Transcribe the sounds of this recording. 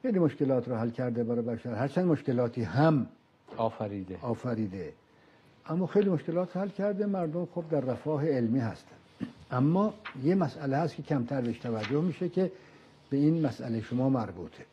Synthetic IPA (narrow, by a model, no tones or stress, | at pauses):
xejliːmoʃke̞lɒːt̪ʰɾɔːɦælkʰæɾd̪ebæɾɒːbæʃæɾhæɾt͡ʃʰænd̪moʃke̞lɒːt̪ʰiːɦæm | ɒːfæɾiːd̪eɒːfæɾiːd̪e | ʔæmːɒːxejliːmoʃke̞lɒːt̪ʰɾhælcʲʰæɾd̪emæɾd̪omxob̚d̪æɾːæfɒːɦeːlmiːhæ̰st̪ʰæ̥n | ʔæmːɒːjemæsʔælehæst̪kcʰe̞kcʰæmt̪ʰæɾbeʃt̪ʰævæd͡ʒːohmiːʃekʰe | b̥e̞iːnmæsʔæ̰leʃomɒːmæɾbuːt̪ʰe